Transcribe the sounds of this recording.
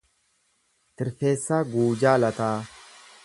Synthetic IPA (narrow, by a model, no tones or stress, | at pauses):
t̪ɪɾfeːsːaːɡuːd͡ʒaːlɐt̪aː